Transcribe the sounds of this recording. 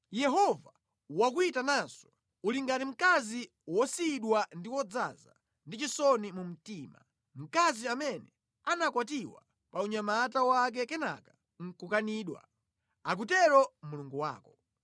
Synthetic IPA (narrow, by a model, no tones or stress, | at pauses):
jɛɦɔva | wakuitanansɔ̥ | uliŋɡatim̩kazi | wɔsiɗwandiwɔd͡za̰za̰ | ndit͡ʃisɔnimum̩tiːma̰ | m̩kaziamɛnɛ | anakwatiwa̰ | pauɲamatawak̬ɛkɛna̰ka | ŋ̩kukaniːɗwa̰ | ak̬utɛɾɔmuluŋɡuwa̰ːkɔ